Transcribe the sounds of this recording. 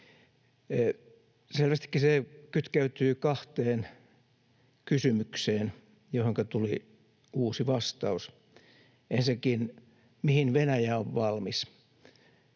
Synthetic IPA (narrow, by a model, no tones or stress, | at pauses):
selʋæst̪i̥kːisekyt̪kæyt̪yːkɑht̪eːn | kysymykseːn | johoŋkɑt̪uli | uːsiʋɑst̪ɑus | ensekin | mihinʋenæjæoʋʋɑlmis